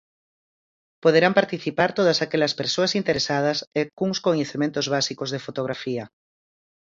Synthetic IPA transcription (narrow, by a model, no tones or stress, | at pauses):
poðeɾampaɾt̪iθipaɾt̪oð̞asakeʎɐspeɾsoasint̪eɾesað̞ɐsekuŋskoɲeθemẽnt̪ozβasikozðefot̪oɣɾafiɐ